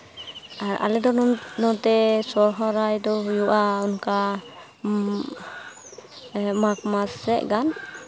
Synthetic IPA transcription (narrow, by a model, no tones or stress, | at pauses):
aɾʔa̰lɛd̪ɔnɔt̪ɛsɔɾɦɔɾajd̪ɔɦujuʔaunka | makmasɛʔɡan